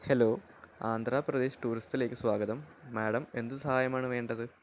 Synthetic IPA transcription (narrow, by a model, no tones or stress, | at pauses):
helo̞ː | aːnd̪ʱraːprɐd̪e̞ːɕi̥ʈuːɾist̪ile̞ːkʲːɨswaːɡɐðɐmːeːɽɐme̞nd̪uɨsɐhaːjɐmaːɳɨʋe̞ːɳɖɐðɨ